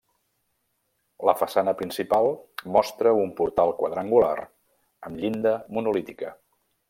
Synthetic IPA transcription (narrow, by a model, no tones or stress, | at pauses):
ləfəsanəpɾinsipalˠmɔst̪ɾəumpuɾt̪alˠkwəðɾaŋɡula̰r | əmʎind̪əmunulit̪ikə